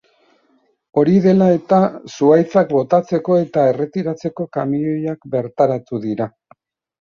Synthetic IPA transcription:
o̞ɾiðe̞lae̞t̪asuajt͡sakbo̞t̪at͡se̞ko̞e̞t̪ae̞re̞t̪iɾat͡se̞ko̞kamio̞jakbe̞ɾt̪aɾat̪uðiɾa

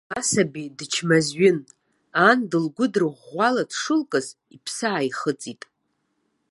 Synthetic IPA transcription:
asabidɨt͡ʃʰmazɥɪn | andɨlɡʷʊdɨrʁʷaladʰʂɨlkʼɨz | ipʰsaːiχət͡sʼitʼ

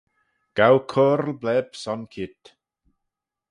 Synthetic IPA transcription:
ɡ̥awkʰoɾlblɛb̥sɔnkʰɪt

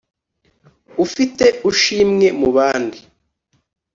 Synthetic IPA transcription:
ufite̞uʃiːmŋe̞muβaːndi

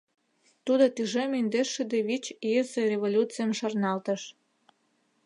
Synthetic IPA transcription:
t̪ud̪ot̪yʒemind̪eʃed̪eβit͡ɕiəzerʲeβolʲut͡sijəmʃɑrnɑlt̪əʃ

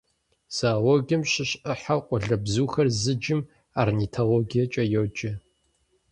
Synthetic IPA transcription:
z̥aːwɔɡʲɐmɕɪɕəħaqʷʼʊɮɐbzuːxɐrzɨd͡ʒɪm | arnitʰoloɡijɐt͡ʃʼɐjod͡ʒɐ

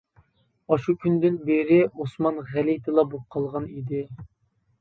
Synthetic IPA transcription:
ɑʃukʲʰynd̪ɪnbeɾɪosmɑnʁælit̪ʰɨlˠɑbop̚qʰːɑlˠʁɑnid̪ɪ

